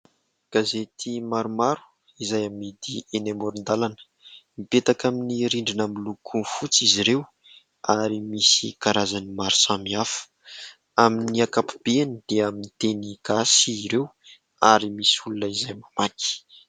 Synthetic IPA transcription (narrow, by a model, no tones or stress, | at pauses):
ɡ̥azet̪ʰimaɾumaɾu̥ | izajamid̪ienemoɾund̪alanə̥ | mipet̪akaminiɾiɳɖ͡ʐinamilukʰufut͡siziɾew | aɾimisḭkaɾazanimaɾu̥samiafə̥ | aminiakapu̥b̥eanid̪̥eaminit̪eniɡ̥asiːɾew | aɾimisulunəizajmamaki̥